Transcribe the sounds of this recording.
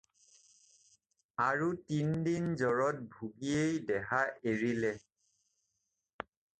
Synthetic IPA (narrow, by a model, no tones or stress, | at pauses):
aɹutindinzɔɹɔt̚bʱuɡiejdɛɦaʔeɹilɛ